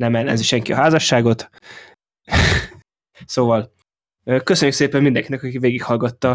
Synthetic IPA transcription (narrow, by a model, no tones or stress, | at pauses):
nɛmɛlːɛ̰nziʃɛŋkiɒ̰ɦaːzɒʃːaːɡo̞t̪ | soːvɒl | øːkøsø̞ɲːykseːpɛmmind̪ɛŋkinɛkɒkiveːɡikhɒlɡɒt̪ːɒ